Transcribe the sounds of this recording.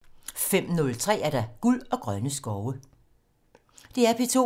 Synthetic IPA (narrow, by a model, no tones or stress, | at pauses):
fem̰nɔ̽lt͡sʰʁɛ̰ːæɐɾ̥ɑ̈ɡ̥ulɒ̽ɡ̥ʁɶnəsɡ̥ɒʊə | d̥e̝æɐpʰit͡sʰo̝̰